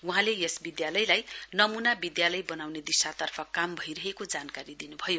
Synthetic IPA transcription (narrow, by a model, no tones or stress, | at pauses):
wuɦãlejesbid̪jalʌjlajnʌmunabid̪jalʌjbʌnawned̪isat̪ʌrpʰʌkambʱʌjɾʌɦekod͡zankaɾid̪inubʱʌjo